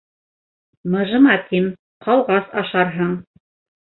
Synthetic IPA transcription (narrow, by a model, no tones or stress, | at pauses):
mɤ̆ʒɤ̆mɑt̪ʰim | qɑlˠʁɑsɑʃɑɾɦɤɴ